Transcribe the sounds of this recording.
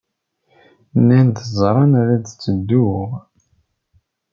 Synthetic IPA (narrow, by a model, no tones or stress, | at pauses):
nːænd̪əzˤɾˤɑnæɾæd̪t͡sːəd̪ːuʁ